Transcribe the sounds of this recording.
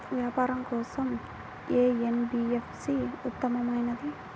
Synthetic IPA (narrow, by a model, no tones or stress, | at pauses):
ʋjaːpaːɾɐmkɔːsɐm | eːenbiːefsiːut̪ːɐmɐmɐjnɐd̪i